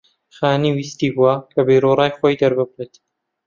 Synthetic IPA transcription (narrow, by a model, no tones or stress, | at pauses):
xaːniwiːst̪ibuakʰɐbejɾorɑːjxoːjd̪ɐɾbɨbret̪